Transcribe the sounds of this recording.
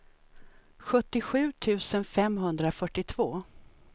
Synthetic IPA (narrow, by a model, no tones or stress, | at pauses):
ɧɵt̪ːɪɧʉ̟ːt̪ʰʉ̟ːsənfɛmɦɵnd̪ɾafœʈːɪt̪ʰv̥oː